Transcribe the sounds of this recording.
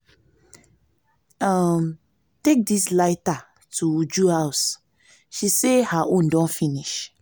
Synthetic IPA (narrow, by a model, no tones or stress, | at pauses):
am | tek̚dislaɪta | tʰuud͡ʒuhaʊs | ʃisehaʔõndɔ̃nfĩniʃ